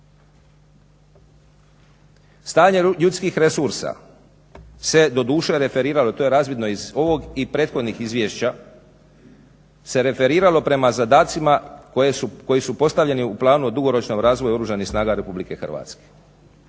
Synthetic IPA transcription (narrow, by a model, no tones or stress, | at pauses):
st̪aːɲe̞ʎut̪skixɾe̞suɾsa̰ | se̞d̪o̞d̪uːʃeɾe̞fe̞ɾiːɾalo̞t̪o̞je̞ɾaːzʋid̪no̞izo̞ʋo̞ɡipɾe̞ːt̪xo̞d̪nixizʋjeːʃt͡ɕa | se̞ɾe̞fe̞ɾiːɾalo̞pɾe̞mazad̪aːt̪sima | ko̞jisupo̞st̪aʋʎe̞niuplˠaːnuod̪uɡo̞ɾo̞t͡ʃnoɡɾaːzʋojuo̞ɾuʒanixsnaːɡaɾe̞publike̞xr̩ʋa̰ːt̪ske̥